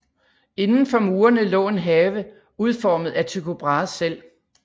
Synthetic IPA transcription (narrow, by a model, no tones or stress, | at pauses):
e̝nn̩fɒ̽muːɐnəlɔ̰̽ːe̝nɦɛːʋə | uð̞ˠfɒːməð̞̩ˠæt͡sʰøkʰob̥ʁɑ̈ːsel̰